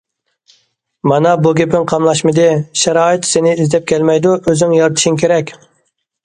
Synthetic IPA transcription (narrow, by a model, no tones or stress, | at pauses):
mɑnɑbuɡʲepʰɪŋqʰɑmlˠɑʃmɨd̪ɨʃɛɾɑːit̪senɪizd̪ɛp̚kʲʰɛlmɛjd̪uøzɪŋjɑɾt̪ʰɨ̥ʃiŋkʲʰeɾɛkʲ